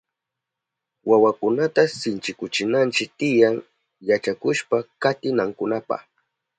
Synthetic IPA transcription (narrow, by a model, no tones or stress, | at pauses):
wawakʊnat̪asɪnt͡ʃɪkʊt͡ʃɪnant͡ʃɪk̚t̪ɪjaŋ | jat͡ʃakʊʃpakat̪ɪnaŋkʊnapa̰χ